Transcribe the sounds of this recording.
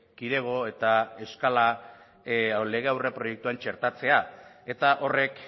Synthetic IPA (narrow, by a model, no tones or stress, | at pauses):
kiɾe̞ɣ̞o̞e̞t̪ae̞skala | le̞ɣ̞e̞awrepɾo̞je̞k̚t̪uant͡ʃe̞ɾt̪at͡se̞ae̞t̪aʔo̞re̞k